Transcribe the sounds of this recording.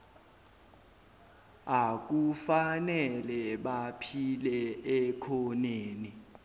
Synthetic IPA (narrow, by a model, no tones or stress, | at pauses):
ak̬ufanɛlɛɓapʰilɛɛkʰɔneːni